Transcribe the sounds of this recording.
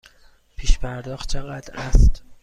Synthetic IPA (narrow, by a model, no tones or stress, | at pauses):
pʰiːʃpʰæɾd̪ɒːxt̪̚t͡ʃʰeɣæd̪æst̪